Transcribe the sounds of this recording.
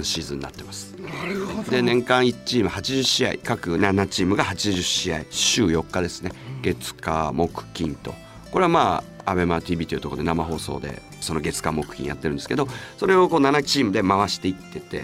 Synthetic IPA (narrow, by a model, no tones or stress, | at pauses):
ɰ̃ɕiːzɨ̃ɲ̟ina̰t̪ːe̞masɨ̥ | d̪e̞nẽ̞ŋkãɰ̃i̥t͡ɕiːmɯ̟hat͡ɕiʑɨɕia̰ḭkakɯ̟nanat͡ɕiːmɯ̟ɡahat͡ɕiʑɨɕia̰iɕɨːjo̞kːad̪e̞sɨ̥ne̞ɡe̞t͡sɨ̥ka̰mo̞kɯ̟̥kʲĩnt̪o̞̰ | ko̞ɾe̞βamaːabe̞mat̪ʲiːbʲiːt̪oiɯ̟t̪okod̪namaɦo̞ːso̞̰ːd̪e̞̰ | sono̞ɡe̞t͡sɨ̥kamo̞kɯ̟̥kʲḭ̃ja̰t̪ːeɾɯ̟nd̪esked̪o̞so̞ɾe̞o̞ko̞ːnanat͡ɕiːmɯ̟d̪e̞maβaɕi̥t̪e̞it̪ːe̞t̪e̞̰